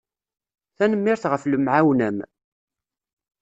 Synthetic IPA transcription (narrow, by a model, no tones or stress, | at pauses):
θænəmːɪɾθʁəfləmʕawnæm